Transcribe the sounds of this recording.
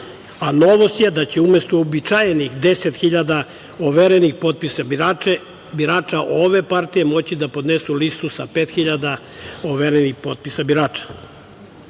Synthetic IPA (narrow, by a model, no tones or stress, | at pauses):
ano̞ʋost̪jed̪at͡ɕeumest̪oobit͡ʃajenixd̪eset̪xiʎad̪a | oʋeɾenixpo̞t̪̚pisabiɾae | biɾaːt͡ʃaʔoʋe̞paɾt̪ijemo̞t͡ɕid̪apo̞d̪nesulist̪usapeːt̪xiʎad̪a | oʋeɾenixpo̞t̪̚pisabiɾaːt͡ʃḁ